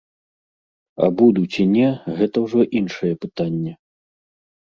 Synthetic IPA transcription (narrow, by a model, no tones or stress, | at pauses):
ɐ̰bud̪ut͡sʲinʲɛɣɛt̪ɐwʐɔʔinʂɐjɛpɨt̪anʲːɛ